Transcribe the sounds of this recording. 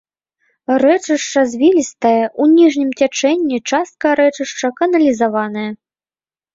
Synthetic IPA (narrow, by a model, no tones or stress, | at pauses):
rɛt͡ʂɨʂt͡ʂɐzʲvʲilʲist̪ɐjɐʔunʲiʐnʲimt͡sʲat͡ʂɛnʲːit͡ʂast̪̚kɐɾɛt͡ʂɨʂt͡ʂɐkɐnɐlʲizavanɐjɐ